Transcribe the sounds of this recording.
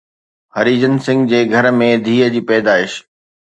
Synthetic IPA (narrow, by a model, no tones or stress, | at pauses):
hɐɾiːd͡ʑənsɪ̃ŋɡd͡ʑeːɡʱɐɾmẽd̪ʱiːəd͡ʑiːpɛːd̪aːɪʃ